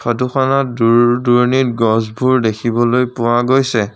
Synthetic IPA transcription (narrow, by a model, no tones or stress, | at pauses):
kʰaduxanatdduɹnit̚ɡɔzbʱuɹdekʰibɔlojpʊwaɡojsɛ